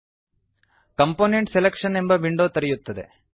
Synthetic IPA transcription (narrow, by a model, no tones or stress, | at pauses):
kɐmpoːneɳʈselekʂɐne̞mbɐʋiɳɖoːt̪ɐɾijut̪ːɐd̪e̞̰